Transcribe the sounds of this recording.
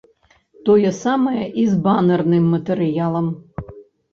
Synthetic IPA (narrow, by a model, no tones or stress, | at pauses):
t̪ɔjɛsamɐjɐʔizbanɐrnɨmːɐt̪ɛɾɨjalˠɐm